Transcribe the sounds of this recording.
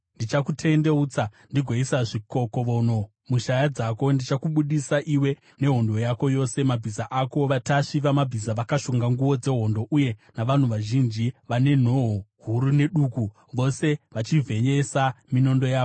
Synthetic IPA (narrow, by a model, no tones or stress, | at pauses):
ndit͡ʃakutʰe̞nde̞ut͡sandiɡʱweisaʐiko̞koʋoːno̞ | muʃajad͡zako̞ndit͡ʃakuɓuɗisaʔiwe̞ | ne̞ɦo̞ndo̞jako̞jo̞se̞mabʱizaʔako̞taʂiʋamabʱizaʋakaʃuŋɡaŋɡuʋo̞d͡ze̞ɦo̞ndo̞ʔuje̞naʋan̤uʋaʒind͡ʒiʋane̞n̤o̞ɦoɦuɾune̞ɗuku | ʋo̞se̞ʋat͡ʃivʱe̞ɲesamino̞ndo̞jaːko